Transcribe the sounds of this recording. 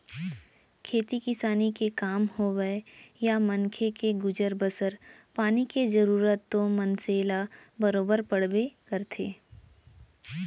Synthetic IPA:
kʰeːt̪ikɪsaːnikekaːmhoɡəejamɐnkʰekeɡʊd͡ʒəɾbəsəɾpaːniked͡ʒɐɾuːɾət̪ːomɐnseːlabɐɾoːbəɾpɐɽbekəɾt̪ʰeː

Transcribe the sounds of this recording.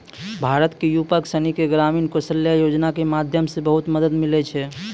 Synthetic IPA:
bʱaɾət̪kejupəksənikeɡɾaminkosəljajod͡ʒnakemad̪ʱjəmsẽbəɦut̪məd̪əd̪milɛt͡ʃʰɛ

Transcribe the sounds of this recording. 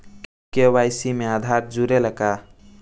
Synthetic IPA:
kewajsimẽad̪ʱaɾd͡ʒuɾeləka

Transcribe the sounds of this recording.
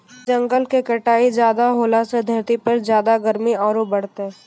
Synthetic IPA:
d͡ʒə̃ŋɡəlkekɐʈaːid͡ʒjaːd̪aɦoːlased̪ʱjəɾt̪ipɐɾzjaːd̪aɡəɾmiɔːɾobɐɽ̤t̪eɦ

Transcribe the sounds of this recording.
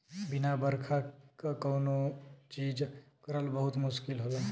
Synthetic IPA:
bɪnabəɾkʰakakəːnot͡ʃiːd͡ʒkəɾəlbəɦʊt̪mʊʃkɪlɦole

